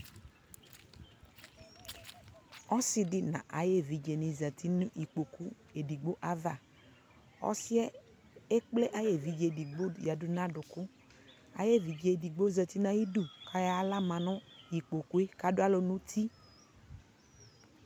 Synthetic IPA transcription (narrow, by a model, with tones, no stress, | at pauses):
ɔ˦sɪ˨dɪ˨nã̰˨ʔa˨je˦˨vi˨d͡ʒe˨nĩ˨zə˨t̪ʰi˦nũ˦ʔi˨k͡po˨ku˦ | e˨di˨ɡ͡bo˦ʔa˦va˨ | ɔ̰˦si˦ɛ˦ | e˦k͡ple˦ʔa˨je˨vi˨d͡ʒe˨di˨ɡ͡bo˦ja˨dʊ˦nã˦dʊ˨kʊ˦ | a̰˨je˦˨vi˨d͡ʒe˨di˨ɡ͡bo˦zə˨t̪i˦nã˦ji˦du˦˨kʰa˦ja˦la˦mã˨nʊ̃˦i˨k͡po˨ku˦e˦ka˦dʊ˦a˦lo˨nũ˦t̪ʰi˦